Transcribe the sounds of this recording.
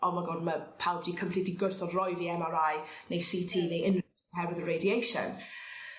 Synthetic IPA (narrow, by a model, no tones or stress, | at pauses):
ʔɔmaɡɔːdməpʰawbd̥iːkʰəmpʰl̥itiɡʊrθɔdrɔjðiɛmaɾajnejsiːtʰiːnejʔɪn | hɛwɪðəɹejdiejʃə̰n